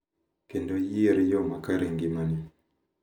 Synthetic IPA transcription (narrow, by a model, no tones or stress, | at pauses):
kendojieɾjɔmakaɾeŋɡimani